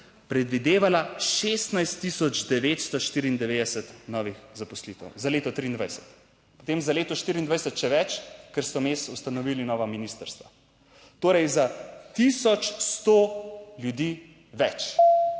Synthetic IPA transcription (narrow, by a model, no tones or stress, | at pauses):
pɾɛd̪ʋid̪eːʋalaʃeːst̪najst̪ːisɔd͡ʒd̪ɛʋet̪st̪ɔʃt̪iːɾiːnd̪ɛʋed̪ɛsɛt̪nɔːʋixzapɔslit̪ɛ̰wzaleːt̪ɔt̪ɾiːnd̪ʋajsɛ̥t̪ | pɔ̥t̪eːmzaleːt̪ɔʃt̪iːɾind̪ʋajsɛt̪ʃɛʋɛt͡ʃkɛɾst̪ɔmeːsust̪anɔʋiːlinɔːʋaminist̪əɾst̪ʋa | t̪oːɾɛjzat̪isɔt͡ʃst̪oljud̪iː | ʋɛt͡ʃ